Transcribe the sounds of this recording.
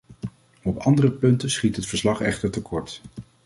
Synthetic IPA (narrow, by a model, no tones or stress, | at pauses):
ɔpɑ̰ndərəpɵntənsχitɦətfəɹslɑχɛ̰χtəɹtəkʰɔɹt